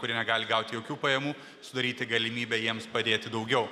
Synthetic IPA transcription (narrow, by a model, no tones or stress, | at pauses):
kʊɾʲiɛnʲɛɡɑːlʲɪɡɑˑʊt̪ʲɪjoːkʲuːpɐjɛmuː | sʊd̪ɐɾʲiːt̪ʲɪɡɐlʲɪmʲiːbʲɛjiɛmspɐd̪ʲeːt̪ʲɪd̪ɐʊɡʲɛʊ